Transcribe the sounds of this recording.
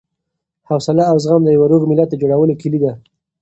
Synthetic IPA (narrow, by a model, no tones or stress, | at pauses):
hawsalaːwzɣamd̪əjawaɾoɣmɪlat̪̚d̪əd͡ʒoɽawəlokɪlid̪a